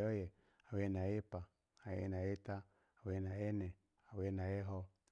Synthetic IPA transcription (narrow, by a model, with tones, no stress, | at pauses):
ɔ˦jɛ˨ | a˨we˦na˨je˦pa˨ | a˨jḛ˦na˨je˦ta˦ | a˨we˦na˨je˦nɛ˨ | a˨we˦na˨je˦ɦɔ˦˧